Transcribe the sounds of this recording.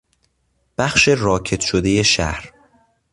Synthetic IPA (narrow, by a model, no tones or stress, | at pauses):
b̥æxʃe̞ɾɒːcʰe̞t̪ʃod̪e̞jeʃæ̰hɾ